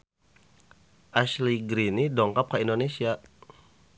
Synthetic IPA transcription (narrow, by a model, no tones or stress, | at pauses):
ʔasliɡɾinidɔŋkap̚kaindonesia